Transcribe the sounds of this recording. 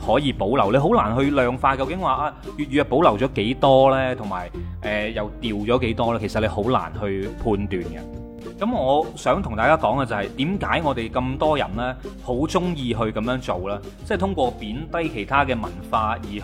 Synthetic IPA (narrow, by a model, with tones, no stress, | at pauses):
hɔː˨˥jiː˨˧po˨˥wlɐ˨˩wle˧jɦo˨˥wlaː˨˩nɦɵ˧lœː˨ŋfaː˧kɐ˧wkɪ˨˥ŋwaː˨˧ʔaː˧jyː˨t̚jyː˨jɐ˨po˨˥wlɐ˨˩wt͡ʃɔː˨˥ke˨˥jt̪ɔː˥lɛː˥t̪ʰʊ˨˩ŋma̰ː˨˩jʔɛ˨jɐ˨wt̪iː˨wt͡ʃɔː˨˥ke˨˥jt̪ɔː˥lɛː˥kʰsɐ˨t̚le˨˧jho˨˥wla̰ː˨˩nɦɵ˧ɥpʰuː˧nt̪yː˨nkɐ̰˧ | kɐ˨˦mŋɔː˨˧sœː˨˥ŋt̪ʰʊ˨ŋt̪aː˨˧kaː˥kɔː˨˥ŋaː˧t͡sɐ˨˧hɐ˨jt̪iː˨˥mkaː˨˥jŋɔː˨˧t̪e˨jkɐ˧mt̪ɔː˥jɐ̰˨˩nlɛː˥ho˨˥wt͡sʊ˥ŋjiː˧ɦɵ˧ɥkɐ˨˧mjœː˨˥ŋt͡so˨wlaː˥ | t͡sːjt̪ʰʊ˥ŋkʷɔː˧piː˨˥nt̪ɐ˥jkʰe˨˩jt̪ʰaː˥kɛː˧mɐ˨˩nfaː˧jiː˨˩